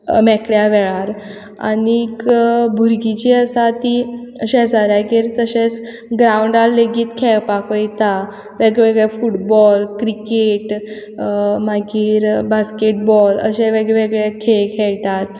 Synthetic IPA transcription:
mɛkɽjaʋɛɭaɾ | a̰niːkbʱuɾɡit͡ɕiəsat̪iəɕẽsaɾakeɾt̪əɕet͡s | ɡɾauɳɖalleɡiːt̪kʰɛpakəjt̪a | ʋeɡʋeɡɭefuʈbɔlkɾikeʈ | maɡiːɾbaskeʈbɔlə̰ɕeʋeɡɛʋeɡɭekʰekʰɛɭt̪at̪

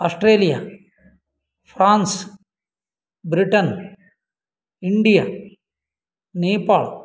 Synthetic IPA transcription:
ɐsʈreːlijɐ | fraːns | bɾiʈːɐn | iɳɖijɐ | neːpːaːɭ

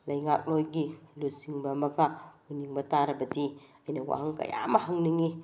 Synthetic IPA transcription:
lajŋak̚lojɡilusiŋbamakauniŋbat̪aɾabat̪i | ajnawa̰ɦaŋka̰ja̰maɦəŋniŋi

